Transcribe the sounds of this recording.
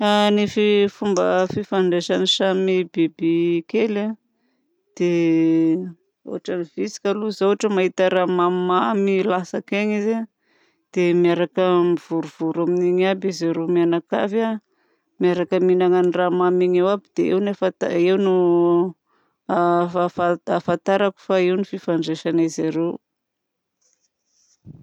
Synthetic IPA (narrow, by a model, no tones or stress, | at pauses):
anififumbəfifaɳɖ͡ʐeʃaniʃamibebikela | d̪̥e | o̰aʈ͡ʂanivisi̥kaluzawaʈ͡ʂəmaɦit̪aɾamamamilasakeɲize | d̪̥emiaɾakəmiv̥uɾuv̥uɾaminiɲabizaɾemianaka̰va | miaɾakəminaŋaniramamiɲewabid̪̥eewnefat̪aewnu | aafaafat̪aɾaku̥faiwnififaɳɖ͡ʐeʃanezaɾew